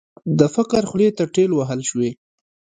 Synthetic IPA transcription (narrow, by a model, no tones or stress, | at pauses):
d̪əfaqaɾxlet̪əʈelwaɦəlʃwe